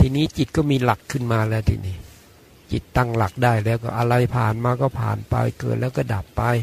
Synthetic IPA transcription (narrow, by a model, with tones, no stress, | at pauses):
t̪ʰiː˧niː˦˥t͡ɕi˨˩t̪̚kɔː˥˩miː˧la˨˩kʰːɯ˥˩nmaː˧lɛː˦˥wt̪ʰḭ˧niː˦˥˩ | t͡ɕi˨˩t̪ːa˥˩ŋla˨˩k̚daː˥˩jlɛː˦˥wkɔː˥˩ʔa˧ɾa˧jpʰaː˨˩nmaː˧kɔː˥˩pʰa̰ː˨˩npa̰˧jkɤ̰ː˨˩t̪̚lɛː˦˥wk̬ɔː˥˩da˨˩pːa˧j